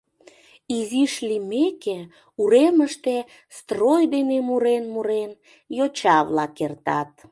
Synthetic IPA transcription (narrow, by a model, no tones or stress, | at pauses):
iziʃlimeke | uɾeməʃt̪e | st̪rojd̪enemuɾenmuɾen | jot͡ɕɑβlɑkert̪ɑt̪̚